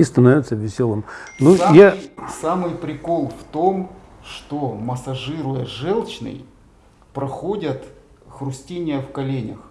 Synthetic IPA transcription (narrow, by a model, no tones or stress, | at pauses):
ist̪ɐnovʲɪt̪səvʲɪsʲolˠəmnujasamɨjpɾʲɪko̞lˠft̪o̞m | ʂt̪oməsɐʐɨɾʊjəʐɛlˠt͡ɕnɨ̰j | pɾɐxodʲət̪ | xrʊsʲtʲinʲɪjəfkɐlʲenʲə̰x